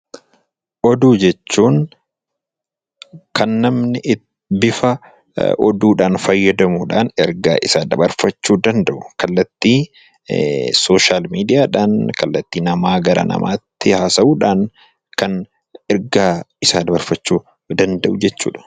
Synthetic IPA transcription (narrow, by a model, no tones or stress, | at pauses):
ʔɔd̪uːd͡ʒɛt͡ʃːuːn | kɐnːɐmnɪʔ | bɪfɐ | ʔɔ̰d̪uːᶑaːnfɐjːɐd̪ɐmuːᶑa̰ːnɛɾɡa̰ːʔɪsaːd̪ɐbɐɾfɐt͡ʃːuːd̪ɐnd̪ɐʔʊkɐlːɐt̪ːiː | so̞ːʃaːlmiːd̪ɪjaːᶑaːnkɐlːɐt̪ːiːnɐmaːɡɐɾɐ̰nɐ̰mʔa̰ːt̪ːɪhaːsɐʔuːᶑaːn | kɐn | ɛɾɡaːɪsaːd̪ɐbɐɾfɐt͡ʃːuː | d̪ɐnd̪ɐʔʊd͡ʒɛt͡ʃːṵːᶑɐ̥